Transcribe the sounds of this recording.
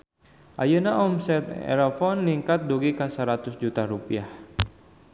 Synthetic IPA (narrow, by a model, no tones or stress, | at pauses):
ʔa̰jənaʔɔmsɛt̪ɛ̰ɾafɔnliŋkat̪̚duɡikasəɾat̪ʊsd͡ʒut̪aɾupiah